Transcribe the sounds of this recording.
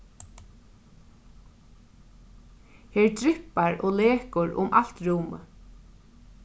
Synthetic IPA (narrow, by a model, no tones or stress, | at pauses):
heːɹt̪ɾɪpaɹo̰leːkʊɹʊ̰mʔal̥t̪ɹuːmə̰